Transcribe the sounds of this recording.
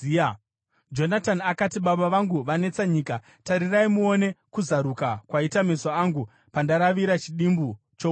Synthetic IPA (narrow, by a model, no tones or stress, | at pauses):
d͡ʒo̞natanakatiɓaɓaʋaŋɡuʋane̞t͡saɲiːka | taɾiraimuo̞ne̞kuzaɾukakwaitamisoaŋɡu | pandaɾaʋiɾat͡ʃiɗimbu | t͡ʃo